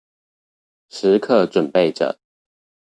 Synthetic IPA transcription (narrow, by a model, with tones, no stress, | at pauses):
ʂɻ̩˨˦kʰə˥˨ʈ͡ʂwə˨˩npe˥˨ɪʈ͡ʂə̰˨˩˦